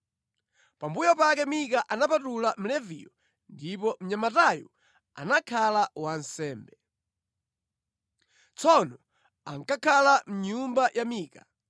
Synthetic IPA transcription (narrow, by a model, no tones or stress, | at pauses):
pambujɔpakɛmikaʔanapatulam̩lɛvḭjɔ | ndipɔm̩ɲamatajɔ̰ | a̰nakʰalawansɛːmbɛ | t͡sɔnɔ | aŋkakʰalam̩ɲumbajʔamiːka